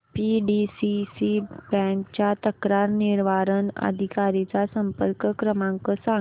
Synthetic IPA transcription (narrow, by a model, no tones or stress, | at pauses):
piɖisisibɛ̃kt͡ɕjat̪əkɾaɾniɾʋaɾənə̰d̪ʱikaɾit͡sasəmpəɾkəkɾəmãŋkəsã